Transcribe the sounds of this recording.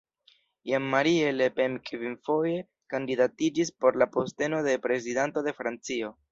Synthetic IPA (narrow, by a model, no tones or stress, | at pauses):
jamːaɾielepemkvinfo̞je̞ | kandidatid͡ʒispo̞ɾlapo̞ste̞no̞de̞pɾe̞zidanto̞de̞fɾant͡sio̞